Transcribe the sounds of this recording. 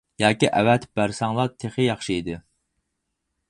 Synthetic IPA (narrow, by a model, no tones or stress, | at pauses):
jɑːkʲiʔɛvɛt̪b̥æɾsɑŋlˠɑt̪ʰeχɨjɑχʃiid̪ɨ